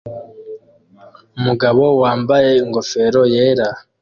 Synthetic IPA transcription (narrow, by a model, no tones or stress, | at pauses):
umuɡaβo̞waːmbaje̞iŋɡo̞fe̞ɾo̞je̞ːɾa